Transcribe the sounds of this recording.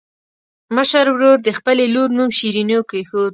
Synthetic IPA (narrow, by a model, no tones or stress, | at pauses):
məʃaɾwɾoɾd̪əxpəleloɾnumʃiɾinokəjxod̪